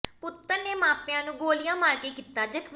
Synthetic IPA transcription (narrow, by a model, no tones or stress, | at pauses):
pʊt̪ːəɾneːmãːpɪjãːnũːɡoːlɪjãːmaːɾkeːkiːt̪ːaːd͡ʒəkʰʋ